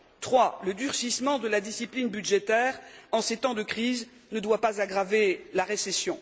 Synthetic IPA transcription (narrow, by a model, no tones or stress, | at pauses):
t̪χwaləd̪yʁsismɑ̃d̪əlad̪isiplinbyd̪ʒet̪ɛʁɑ̃set̪ɑ̃d̪əkχiz | nəd̪wapazaɡʁavelaʁesesjɔ̃